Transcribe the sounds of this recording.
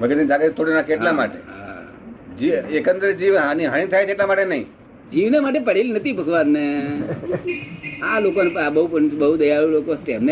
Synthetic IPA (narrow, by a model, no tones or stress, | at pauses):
bʱəɡet̪ːd͡ʒaɡet̪oɽinakeʈɦlama̰ʈḛɦa̰ | d͡ʒiekənd̪ɾəd͡ʒiʋɦaniɦaɽ̃it̪ʰajt͡ʃʰeʈlamaʈenəɦḭ̃ | d͡ʒiʋnemaʈ̬epəɽelinət̪ʰibʱəkʋanne | alokonepabəɦupəɳbəɦud̪əjaɭulokot̪emne